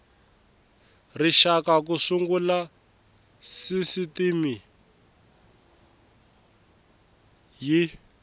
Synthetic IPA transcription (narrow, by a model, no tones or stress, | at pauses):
riʃakak̬usuŋɡula | sisitimi | ji